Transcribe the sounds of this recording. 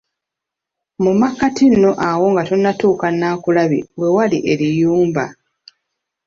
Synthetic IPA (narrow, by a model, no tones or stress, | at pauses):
mumakːatinːo̞ʔawo̞ŋɡatonːatuːkanːaːkulaβḭwe̞waliʔe̞lijuːmba